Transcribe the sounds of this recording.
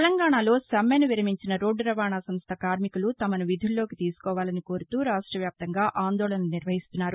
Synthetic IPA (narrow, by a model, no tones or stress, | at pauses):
elɐŋɡaːɳalo̞ːsɐmenuʋiɾɐmiɲt͡ʃinɐɾoːɖɾɐʋaːɳaːsɐmst̪ʰɐkaːɾmikulut̪ɐmɐnuʋid̪ʱulːo̞ːkit̪iːsu̥kɔːʋaːlɐniko̞ːɾut̪uːɾaːʂʈɾɐʋjaːp̚t̪ɐŋɡaːʔaːnd̪ɔːlɐnɐuniɾʋɐɦist̪unːaːɾu